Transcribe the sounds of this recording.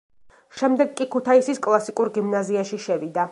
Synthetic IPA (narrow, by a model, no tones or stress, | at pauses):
ʃɛmd̪ɛɡkʼikʰut̪ʰaisiskʼlˠasikʼuɾɡimnaziaʃiʃɛvid̪a